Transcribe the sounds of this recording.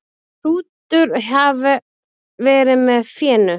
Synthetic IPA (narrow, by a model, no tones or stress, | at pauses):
ruːt̪ʏɾɦav | vɛːɾɪmɛðfjɛːnʏ